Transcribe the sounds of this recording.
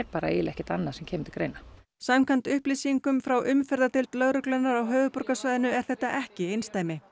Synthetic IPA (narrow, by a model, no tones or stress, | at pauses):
ɾpaːɾa̰ḛːɪlʔɛhcɪt̪anːḁsɛmcʰɛːmɪt̪ɪlkɾejna | samkʰant̪ʏhplisiŋkʏmfɾawʔʏmfɛɾðat̪ɪlt̪lœɣɾʏklœnːaɾawɦœːvʏpɔɾkasvœːjðɪnʏɛɾ̥θɛht̪ːaʔɛhcɪejnst̪aːjmɪ